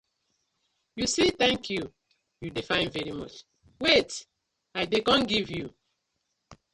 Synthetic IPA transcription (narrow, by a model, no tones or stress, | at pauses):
jusit̪ɛ̃ŋkʰju | judefãɪ̃nvɛɹimɔ̰t͡ʃ | wet | aɪdekɔ̃nɡivju